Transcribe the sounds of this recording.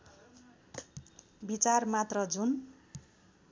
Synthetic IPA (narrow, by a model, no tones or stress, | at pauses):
bit͡sarmat̪rʌd͡zun